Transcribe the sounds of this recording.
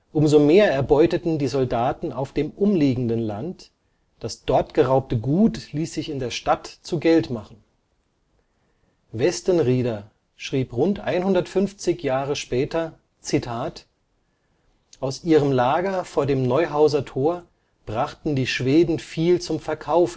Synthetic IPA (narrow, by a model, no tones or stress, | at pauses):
ʔʊmzomeːɐɛɐbɔʏtətn̩diːzɔldaːtn̩aʊfd̥eːmʔʊmliːɡŋ̩dənlant | d̥asd̥ɔɐtɡ̥əʁaʊp̚təɡuːtliːsz̥ɪçɪndeːɐʃtatt͡suɡɛltmaχn̩ | vɛstənʁiːdɐ | ʃʁ̥iːpʁʊntʔa̰ɪnhʊndɐtfʏnft͡sɪçjaːʁ̞əʃpɛːtɐ | t͡sitʰaːt | ʔaʊsʔiːʁ̞əmlaːɡɐfoːɐdeːmnɔʏɦaʊzɐtʰoːɐ | b̥ʁaχtn̩diːʃv̥eːdn̩fiːlt͡sʊmfɛɐkʰaʊf